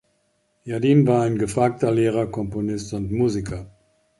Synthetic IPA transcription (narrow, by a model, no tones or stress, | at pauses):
jadiːnvaːɐaɪnɡəfʁ̥aːk̚tɐleːʁ̞ɐkʰɔmponɪstʊntmuːzikʰɐ